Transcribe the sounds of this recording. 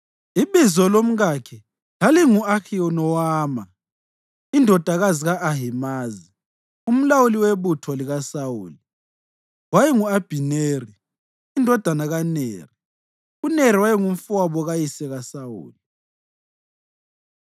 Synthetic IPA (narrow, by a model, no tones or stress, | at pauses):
iβizɔlom̩ɣakʰɛ | laliŋuaxʰiɔnɔwaːma | indʱɔd̥ʱaɣaziɣaʔːɦimaːzi | um̩lawuliweβutʰɔliɣasawṵːli | wajiŋuab̥ʱineriː | ndʱɔd̥ʱanaɣanḛːri | uneɾ̤iwajiŋuɱ̩fuwaβɔɣajisɛɣasawṵːli